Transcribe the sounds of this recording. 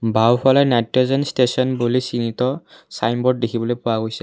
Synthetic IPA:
bʱawpʰalɛnatːɔzɔnstesɔnbulisinit̪ɔ | sajmbɔɖ̚dekʰibɔlojpʊwaɡojsɛ

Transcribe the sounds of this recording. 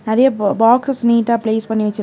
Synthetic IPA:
nɐɾɐjɐbaːkssniːʈːaːpleːspɐɳːiʋɐt͡ʃːɪɾ

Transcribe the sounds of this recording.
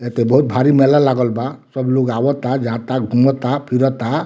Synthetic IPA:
et̪ebɔɦut̪̚bʱaɾimelalaɡɔlbasɔbuloɡawɔt̪ad͡ʒat̪aɡʱumɔt̪apʰiɾɔt̪a

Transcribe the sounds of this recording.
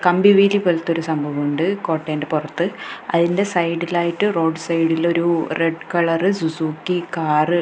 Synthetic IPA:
kɐmbiʋiːlipːolt̪ːo̞ɾusɐmbʱɐʋɐuɳɖɨko̞ːʈːeːnde̞purɐt̪ːɨɐ̰ðinde̞sɐjɽilaːjiʈːɨro̞ːɖɨsɐjɽilo̞ɾureɖkɐɭɐrɨsusuːkːikaːrɨ

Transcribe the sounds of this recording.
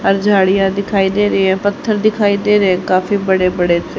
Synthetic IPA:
ɦəɾd͡ʒʱaːɽɪjãːd̪ɪkʰaːiːd̪eːɾəeɛ̃ːpət̪ʰːəɾd̪ɪkʰaːiːd̪eːɾeɛ̃ːkaːfiːbəɽeːbəɽeːt̪e

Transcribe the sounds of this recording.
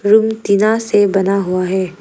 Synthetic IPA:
ɾʊmt̪ɪnasebɐnaɦuaɦɛː

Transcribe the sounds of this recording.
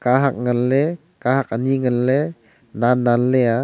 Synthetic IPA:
kaɦak̚ŋənlɛ | kaɦak̚aniŋənlɛ | nanːanlea

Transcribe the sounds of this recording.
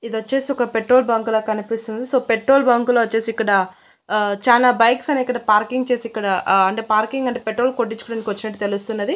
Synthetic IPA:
id̪ʋɐt͡ʃːe̞ːsiɔkɐpeʈːɾoːlbɐŋkulɐːkɐnipist̪und̪isoːpeʈɾo̞ːlbɐŋkuloʋɐt͡ʃːe̞ːsikːɐɽɐ | t͡ʃaːnaːbɐjksɐneikːɐɽɐpaːɾkiŋɡt͡ʃe̞ːsiikːɐɽɐɐɳʈeːpaːɾkiŋɡɐɳʈeːpeʈɾoːlkoʈːit͡ʃu̥kuɽɐnikiʋɐt͡ʃːinɐʈːit̪elust̪unːɐd̪i

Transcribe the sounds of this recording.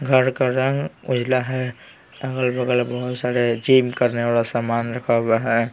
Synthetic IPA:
ɡʱəɾkaɾə̃ŋɡʊd͡ʒʱlaɦɛ | əɡəlbəɡəlbəɦʊt̪saɾed͡ʒiːmkəɾneʋalasamaːnɾəkʰəbaɦɛ

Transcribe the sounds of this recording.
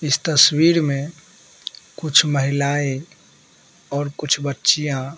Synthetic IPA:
ɪst̪əswiɾmẽ | kʊt͡ʃʰməɦilae | ɔːɾkʊt͡ʃʰbətːʃijã

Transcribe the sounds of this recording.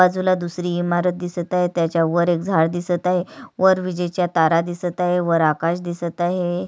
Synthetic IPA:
ad͡zulad̪usɾiːmaɾət̪̚d̪isət̪aɦet̪jat͡ɕjaʋəɾek̚d͡zʱaɽd̪isət̪aɦeʋəɾʋid͡ʑəjt͡ɕjat̪aɾad̪isət̪aɦeʋəɾakaɕd̪isət̪aɦe

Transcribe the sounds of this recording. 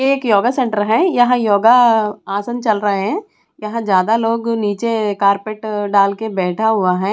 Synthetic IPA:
eːkjoːɡasẽɳʈəɾɦɛ̃ːjɐɦãjoːɡaaːsənt͡ʃɐlɾɐɦeɦɛ̃ː | jɐɦãd͡ʒjaːd̪aloːɡniːt͡ʃekaːɾpeːʈɖaːlkebɛːʈʰaɦʊaɦɛ̃ː

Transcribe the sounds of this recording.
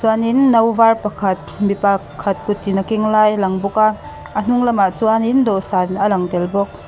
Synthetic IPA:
suaninːawbaɾpakʰat̚ | mipakʰːat̚kut̚ːinakiŋlajlaŋbɔka | an̥uŋlamat͡suanindɔsanɐlaŋdelbɔk̚

